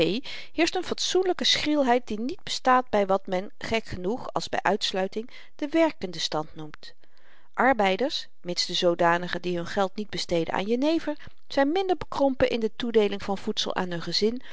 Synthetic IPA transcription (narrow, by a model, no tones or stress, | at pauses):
ej | hɪːɹstənfɑtsunləkəsχrɪlˠɦɛjt̚dinid̚bəstaːd̚bɛjʋɑtmɛn | χɛkχənuχɑ̰lˠzbɛ̰jʔœɥtslœɥtɪŋ | d̥əʋɛɹkəndəstɑntnumt | ʔɑɹbɛjdəɹs | mɪnsdəzowdaːnəχədiɦɵnχɛlˠtnid̚bəstejdə̰na̰ːnjənejvəɹ | z̥ɛjnmɪndəɹbəkrɔmpənʔɪndətudejlɪŋvɑnv̥utsə̰lˠʔa̰ːnɦɵnχəzɪn